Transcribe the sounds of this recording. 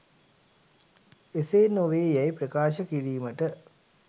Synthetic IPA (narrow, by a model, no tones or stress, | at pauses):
eseːnoʋeːjæjpɾəkaːʃəkiɾiːməʈə